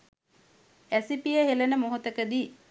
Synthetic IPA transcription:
æsipijəɦelənəmoɦot̪əkəd̪iː

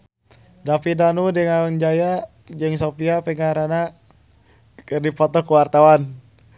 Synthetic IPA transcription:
dapidanudɛŋauŋd͡ʒaja | d͡ʒəŋsopiapɛŋaɾana | kərdipɔt̪ɔkuwart̪awan

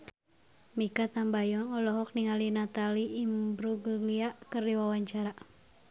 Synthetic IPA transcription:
mikat̪ambajɔnɔlɔɦɔk̚niŋalinat̪aliʔːmbɾuɡuɡliaʔkərdiwawaɲt͡ʃaɾa

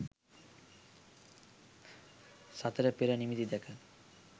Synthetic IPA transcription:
sat̪aɾapeɾanimit̪id̪ɛkʰa

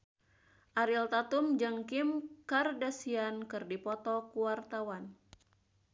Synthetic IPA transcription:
ʔaɾilt̪at̪umd͡ʒaŋkimkardasiankɨrdipɔt̪ɔkuwart̪awan

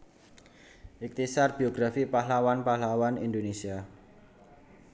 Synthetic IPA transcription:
ʔɪk̚t̪isarb̥ioɡɾafipaɦlawanpaɦlawanḭnd̪onesia

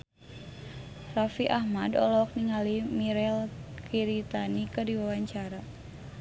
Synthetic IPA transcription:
rafiʔahmadɔ̰lɔk̚niŋalimiɾɛlkʰiɾit̪anikɨrdiwawaɲt͡ʃaɾa

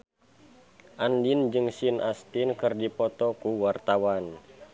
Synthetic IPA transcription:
ʔandind͡ʒɨŋsinʔast̪inkɨrdipɔt̪ɔkuwart̪awan

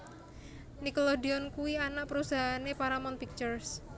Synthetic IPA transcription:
nikolodiɔnkuwianaʔ̚pəɾusaɦanepaɾamɔnpik̚t͡ʃərs

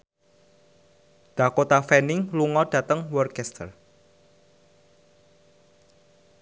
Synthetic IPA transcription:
d̪̥a̤kot̪afɛnɪŋluŋɔd̥ä̤t̪əŋwɔrkɛst̪ʰə̰r

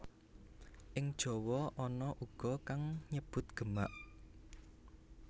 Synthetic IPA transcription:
ʔɪŋd̥ʒ̥ɔ̤wɔʔɔnɔʔuɡ̥ɔkaŋɲəb̥ʊt̪̚ɡ̥əmaʔ

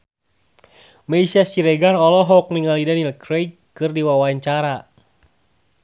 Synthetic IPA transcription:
maisiasiɾɛɡarɔlɔɦɔk̚niŋalidanilkɾej | kɨrdiwawaɲt͡ʃaɾa

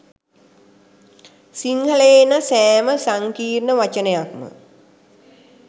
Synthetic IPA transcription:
siŋhələenasæːməsaŋkiːrnəʋat͡ʃənəjakmə̰

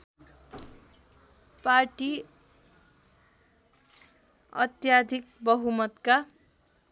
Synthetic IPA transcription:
parʈi | ʌ̰t̪jad̪ʱik̚bʌɦumʌt̪ka

